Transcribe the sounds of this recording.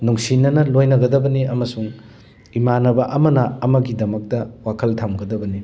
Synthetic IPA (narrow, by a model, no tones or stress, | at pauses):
nuŋsinɐnɐlojnɐɡɐdɐbɐniɐmɐsuŋ | imanɐbɐʔɐmɐnɐɐmɐɡidɐmɐk̚tɐwakʰɐltʰamɡɐdɐbɐni